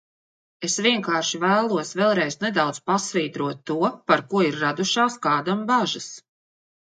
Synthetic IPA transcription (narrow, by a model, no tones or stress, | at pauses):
esviɛŋkaːɾʃivæːlˠuɔsvɛlˠɾɛjznɛd̪awd̪z̥pasviːd̪ɾuɔt̪ːuɔpaɾkuɔiɾːad̪uʃaːskaːd̪ambaʒas